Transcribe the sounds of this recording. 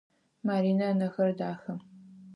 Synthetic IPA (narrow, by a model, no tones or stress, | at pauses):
maːɾiːnɐnɐxɐrdaːxɐm